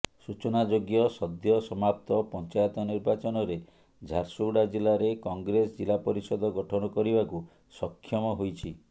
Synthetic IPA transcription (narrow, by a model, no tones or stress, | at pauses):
sut͡ʃɔnad͡ʒoɡjɔsɔd̪jɔsɔmap̚t̪ɔpɔnt͡ʃajɔt̪ɔniɾbat͡ʃɔnɔɾe | d͡ʒʱaɾsuɽad͡ʒilaɾekɔŋɡɾesɔd͡ʒilapɔɾisɔd̪ʱɔɡɔʈʰɔnɔkɔɾibaku | sɔkʰːjɔmɔɦojt͡ʃʰi